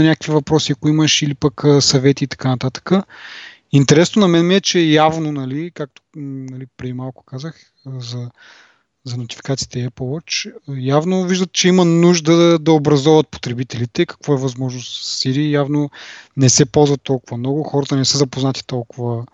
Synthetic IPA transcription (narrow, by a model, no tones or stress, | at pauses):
ɐnʲakəkvivɐpɾɔsiɐkʊimɐʃilipɐkːsɐvɛt̪iːt̪ɐ̥kanɐt̪at̪ə̥kə | int̪ɛɾɛsnonɐmɛnmiɛt͡ʃɛjavnonɐlikak̚t̪o̥nɐlipɾɛd̪imalˠkʊ̥kazəx | zɐ | zɐnot̪i̥fi̥kat̪sit̪ɛɛplˠwɔt͡ʃːjavnoviʒd̪ət̪t͡ʃɛimɐnuʒd̪əd̪ɐobɾɐzɔvɐt̪̚po̥t̪ɾɛbit̪ɛlit̪ɛkɐ̥kvoɛvɐzmɔʒnost̪siɾiːjavnonɛsɛpɔlˠzvɐt̪ːɔlˠkʊvɐmnɔɡʊxɔɾɐt̪ənɛsəzɐpoznat̪i̥t̪ɔlˠkʊvə